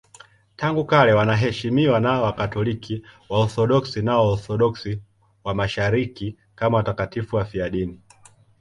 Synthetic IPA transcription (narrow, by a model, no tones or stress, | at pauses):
taŋɡukalɛwanaɦɛʃimiwanaɔwakatɔlikʰiwaɔθɔɗɔksinaɔɔθɔɗɔksi | wamaʃaɾiki | kamawatakatifuwafiaɗini